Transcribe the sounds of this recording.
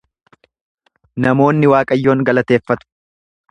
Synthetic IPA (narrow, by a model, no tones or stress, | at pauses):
nɐmo̞ːnːɪwaːkʼɐjːo̞ːŋɡɐlɐt̪e̞ːfːɐt̪ʊ̥